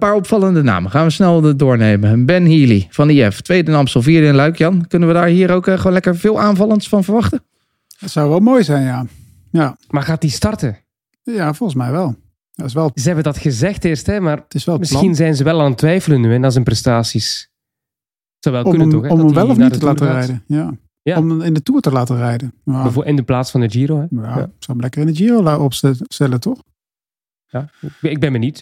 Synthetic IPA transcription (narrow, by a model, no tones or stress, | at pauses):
paːɹɔpfɑlˠəndəna̰ːməχaːnʋəsnɛlˠədʊːɹnejməbɛnɦiːliv̥ɑniɛftʋejdənaːmsɔlˠviːɾiɛnlœɥkjɑnkɵnəʋədaːɹɦiːɾowkχəoːnlɛkəɹvɪːlˠaːnvɑlˠəntsfɑnvəɹʋɑχtə | ətsawʋɛlˠmojzɛjnja | jamaːɹɣaːt̚distɑrtə | javɔlˠχəsmɛjʋɛlˠ | jaɪsʋɛlˠzəɦɛbədɑtxəzɛxtɪːrstɦɛmaːrtɪsʋɛlˠəmɪsɑxinzɛjnzəʋɛlˠaːntʋɛjfələnnyɛnaːɹzənprɛstaːsis | sɔwʋɛlˠətɔxɛɔməʋɛlˠɔfnitəlaːtərɛjdəjaː | jaɔmɪndətuːɹtəlaːtərɛjdəaɪndəplaːtsfɑndəd͡ʒiːɾowɦɛjasɔwmlɛkərɪnəd͡ʒiːrowlaɔpsstɛlətɔχ | jaɪɡ̚bɛnmɛnit